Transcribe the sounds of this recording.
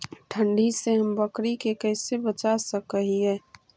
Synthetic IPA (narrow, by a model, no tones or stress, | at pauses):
ʈʰə̃ɳɖʱiseɦəmbəkɾikekəɪsebət͡ʃasəkəɦiɦɛː